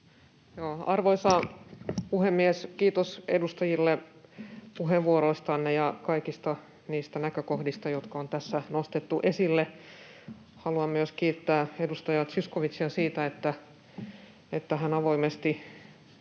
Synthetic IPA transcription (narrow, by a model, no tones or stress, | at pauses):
joːɑrʋoisɑːpuhemːieskiːt̪osedust̪ɑjilːe | puɦeʋʋuoɾoist̪ɑnːejɑkɑikist̪ɑ | niːst̪ænækøkohdist̪ɑjot̪kɑont̪æsːænost̪et̪ːuʔesilːe | hɑluɑmmyøskiːt̪ːæːedust̪ɑjɑt̪syskoʋit̪siɑsiːt̪æet̪ːæ | et̪ːæɦænɑʋoimest̪i